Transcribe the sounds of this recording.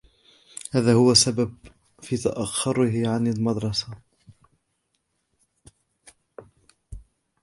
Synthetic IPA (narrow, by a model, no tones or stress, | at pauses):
haːðaːhʊwasabab | fiːt̪aʔaxːʊɾɪɦɪʕanalmɑd̪ɾˤɑsa